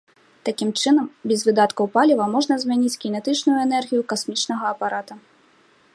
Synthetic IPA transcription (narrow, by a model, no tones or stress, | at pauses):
t̪akʲimt͡ʂɨnɐmbʲɛzvɨd̪at̪kɐwpalʲivɐmɔʐnɐzʲmʲanʲit͡sʲkʲinɛt̪ɨt͡ʂnujuɛnɛrɣʲijukasmʲit͡ʂn̪ɐɣɐːpaɾat̪u